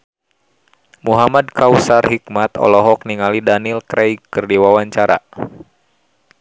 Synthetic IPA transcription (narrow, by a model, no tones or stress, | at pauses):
muɦamad̚kawsarɦik̚mat̪ɔ̰lɔɦɔk̚niŋalidanilkɾɛjkɨrdiwawaɲt͡ʃaɾa̰